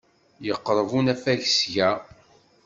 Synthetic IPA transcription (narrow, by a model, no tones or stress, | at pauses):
jəqːɾˤəvunæfæʝsʝæ